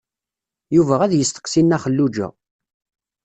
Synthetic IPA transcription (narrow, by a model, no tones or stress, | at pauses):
juvæʁæðjəst̪ə̥qsinːæχəlːud͡ʒæ̰